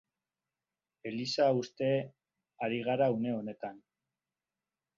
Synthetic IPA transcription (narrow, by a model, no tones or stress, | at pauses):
e̞lisaust̪e̞ | aɾiɣaɾaune̞o̞ne̞t̪an